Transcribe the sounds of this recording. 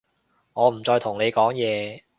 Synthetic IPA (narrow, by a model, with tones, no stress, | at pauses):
ŋɔː˨˧m̩˨˩t͡sɔː˧jt̪ʰʊ˨˩ŋne˨˧jkɔː˨˥ŋjɛː˨˧